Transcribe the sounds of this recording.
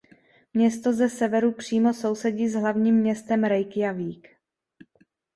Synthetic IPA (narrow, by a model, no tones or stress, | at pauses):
mɲɛst̪o̞zɛsɛvɛɾupr̝̥iːmo̞so̞wsɛɟiːzɦlavɲiːmːɲɛst̪ɛmɾɛjkjaviːk